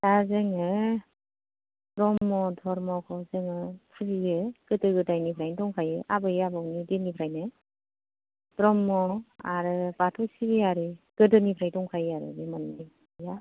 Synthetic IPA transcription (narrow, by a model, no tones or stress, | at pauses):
tazɯŋɯ | pɾɔmːɔdʰʱɔɾmɔkʰɔzɯŋɯpʰɯziɯɡ̥ɯtɯɡɯdajnipʰɾajndɔŋkʰajɯʔabɯjabawnidenipʰɾajnɯ | pɾɔmːɔaɾɯbatʰɔsibiaɾɯɡ̥ɯdɯnipʰɾajdɔŋkʰajaɾɯ̰nimanːi | ja